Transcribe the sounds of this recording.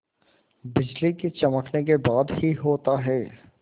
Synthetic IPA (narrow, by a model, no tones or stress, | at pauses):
bɪd͡ʒliket͡ʃɐməkʰnekebaːd̪hiɦoːt̪aɦɛː